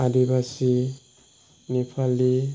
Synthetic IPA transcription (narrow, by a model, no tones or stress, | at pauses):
adibasi | nipʰali